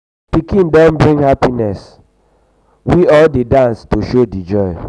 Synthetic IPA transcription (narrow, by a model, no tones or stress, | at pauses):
pikĩndɔ̃nbɹĩŋhapinɛs | wiɔldedãnstoʃodid͡ʒɔɪ